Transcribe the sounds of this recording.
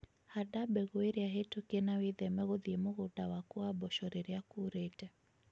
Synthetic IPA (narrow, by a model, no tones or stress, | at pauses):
hadabɛɣueɾiaɦetokenawiðɛmɛɣoðiemʊɣutawakuabɔʃɔɾeɾiakuɾetɛ